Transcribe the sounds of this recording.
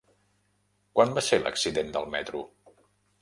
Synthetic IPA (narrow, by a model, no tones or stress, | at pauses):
kwanbaselə̰ksiðend̪əlˠmɛt̪ɾṵ